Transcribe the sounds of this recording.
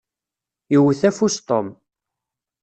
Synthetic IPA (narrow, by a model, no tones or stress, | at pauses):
jəwəθæfust̪ˤom